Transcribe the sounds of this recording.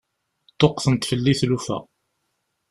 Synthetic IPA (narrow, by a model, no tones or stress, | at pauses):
t̪ˤːoqθənt̪fəlːiθlufæ̰